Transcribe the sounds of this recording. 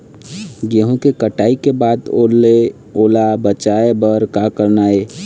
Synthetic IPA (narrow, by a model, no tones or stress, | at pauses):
ɡeɦõkekəʈaːikebaːd̪ole | oːlabət͡ʃaːebəɾkakəɾnaːeː